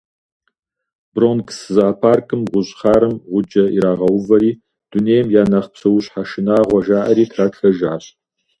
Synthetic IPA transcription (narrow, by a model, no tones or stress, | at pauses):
bronkʰsɨzɐɐpʰaːrkʰʼɨmʁʷʊɕʼχaːɾɨmʁʷʊd͡ʒɐḭɾaːʁɐwʊvɐɾiː | d̥uneːjmjaːnaχpsɐwʊɕʼħaʃɪnaːʁʷɐʒaːʔɐɾiːtʰraːɬɐʒaːɕ